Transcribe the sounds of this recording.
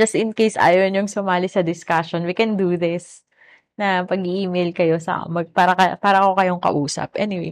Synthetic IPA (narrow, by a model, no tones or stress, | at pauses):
d͡ʒɐst̪ɪnkejsʔa̰ːjonjʊŋsʊmaːlisɐd̪ɪskaʃonwikɛnd̪uðɪs | nɐpɐɡiʔiːmejlkɐjo̞sɐ̰ʔmɐɡ̚paːɾɐkɐpaːɾɐko̞kɐjo̞ŋkɐ̰ʔuːsɐ̰p̚ʔɛnɪwḛ